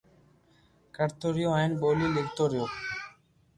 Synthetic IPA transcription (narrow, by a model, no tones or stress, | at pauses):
kəɾt̪oːɾɪjoːaːɦɪnboːliːlɪɡt̪oːɾɪjoː